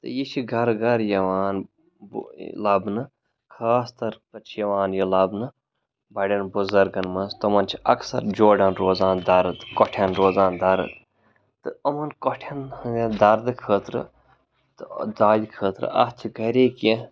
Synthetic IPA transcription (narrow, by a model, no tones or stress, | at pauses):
t̪ɨjit͡ʃʰiɡɐɾɡɐɾjɐʋaːn | blɐbnɨ | kʰaːst̪ɐɾpɐt͡ʃʰjɐʋaːnjilɐbnɨ | bɐɖʲɐnbuzɐɾɡɐnmɐnst̪omɐnt͡ʃʰi̥ɐ̰ksɐ̰ɾd͡ʒoːɖɐnɾoːzãːnd̪ɐɾɨt̪kɔʈʰɐnɾoːzaːnd̪ɐɾɨ̰t̪ | t̪ɨɐmɐnkoʈʰɐnd̪ɐɾd̪ɨkʰəːt̪ɾɨ̰ | t̪ɨd̪aːd̪ʲikʰəːt̪ɾɨ̰ʔɐ̰t͡ʃʰiɡɐɾeːkẽ